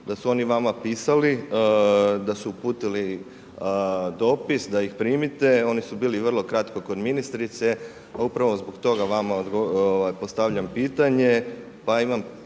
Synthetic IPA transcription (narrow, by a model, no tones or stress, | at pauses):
d̪asuo̞niʋamapiːsali | d̪asuupuːt̪ili | d̪o̞ːpisd̪aixpɾiːmit̪e̞o̞nisubiːliʋər̩lˠo̞kɾat̪ko̞ko̞d̪minist̪ɾit̪se̞ | aupɾaʋo̞zbo̞ɡt̪o̞ɡaʋamaod̪ɡooʋajpost̪aʋʎampiːt̪aɲe̞ | paimam